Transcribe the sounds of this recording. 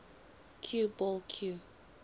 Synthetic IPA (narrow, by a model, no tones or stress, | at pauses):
kʰjubɔlkʰju